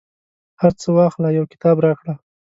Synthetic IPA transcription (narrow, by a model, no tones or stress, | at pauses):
haɾt͡səwaxt̪lajawkɪ̥t̪ɑbɾɑkɽa